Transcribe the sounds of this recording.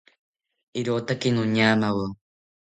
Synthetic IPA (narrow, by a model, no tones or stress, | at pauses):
iɾoːt̪akinoɲaːmawo